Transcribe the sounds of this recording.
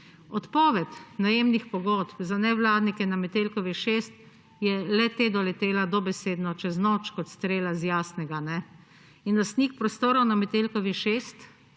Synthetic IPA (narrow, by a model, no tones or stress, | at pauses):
ɔt̪pɔːʋɛt̪najeːmnixpɔɡɔt̪pzanɛʋlaːd̪nikɛnamɛt̪eːlkɔʋiʃeːst̪ | jɛlɛt̪eːd̪ɔlɛt̪eːlad̪ɔbɛseːd̪nɔt͡ʃɛznɔt͡ʃkɔt̪st̪ɾeːlazjaːsnɛɡanɛ | inlast̪niːk̚pɾɔst̪oːɾɔwnamɛt̪elkɔʋiʃest̪